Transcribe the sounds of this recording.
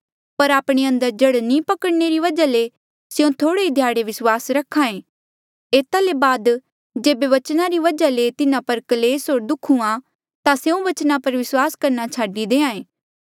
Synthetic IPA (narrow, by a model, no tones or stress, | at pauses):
pɐɾaːpɽ̃eɐ̃nd̪əɾd͡ʒɐɽnĩːpɐkəɽneɾiʋɐd͡ʒale | seõt̪ʰoːɽeid̪ʱjaːɽeʋɪswaːsɾɐkʰãːẽː | eːt̪alebaːd̪ | d͡ʒeːbeʋɐt͡ʃnaɾiʋɐd͡ʒalet̪ɪnãpɐɾkɐleːsɦoːɾd̪ʊkʰːũã | t̪aseũʋɐt͡ʃnapɐɾʋɪswaːskɐɾnat͡ʃʰaːɖid̪eːãːẽː